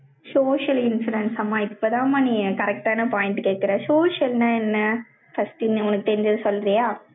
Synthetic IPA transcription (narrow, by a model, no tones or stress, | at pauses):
soːʃɐlɪnfɐɾɛnsɐmːaːɪpːɐt̪ãːmanĩːɡɐkɐɾɛk̚ʈaːnɐpaːjɪnʈɯkeːʈ̚kɪɾẽːsoːʂɐlnãːɛnːɐ | fɐsʈɯnĩʊnɐkːɯt̪eɾɪɲd͡ʒɐðɯsɔlːɾɪ̃jaː